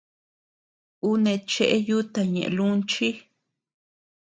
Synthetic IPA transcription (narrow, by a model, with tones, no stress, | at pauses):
u˦nẽ˧t͡ʃe˦ʔe˦ju˦t̪a˨ɲḛ̃˨ʔlu˦nt͡ʃi˦